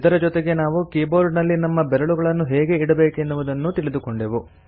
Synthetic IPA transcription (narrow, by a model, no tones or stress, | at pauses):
it̪ɐɾɐd͡ʒɔt̪eɡe̞naːʋukiːbo̞ːɾɖnɐlːinɐmːɐbɛɾɐɭuɡɐɭɐnːuɦeːɡe̞iɽɐbe̞ːkenːuʋud̪ɐnːut̪iɭid̪ukoɳɖeʋu